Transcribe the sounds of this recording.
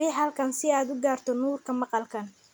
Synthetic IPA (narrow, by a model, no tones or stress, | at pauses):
ɪɦɐlkʰɐnsɪaːd̪ʊɡaːrt̪ʰɔnuːrkʰɐmɑqɑlkʰɐn